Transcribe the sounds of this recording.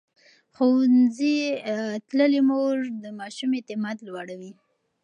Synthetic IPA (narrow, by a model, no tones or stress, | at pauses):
xownzit̪ləlimoʐd̪əmɑʃumet̪ɪmɑd̪lwaɽawi